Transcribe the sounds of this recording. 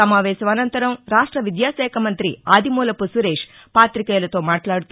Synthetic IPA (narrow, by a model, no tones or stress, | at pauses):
ɐmaːʋɛːsɐmɐnɐnt̪ɐɾɐmɾaːʂʈɾɐʋid̪jaːʃɛːkʰɐmɐnt̪ɾiaːd̪ʱimoːlɐpusuɾeːʂ | paːt̪ɾikɛːlɐt̪o̞ːmaːʈlaːɽut̪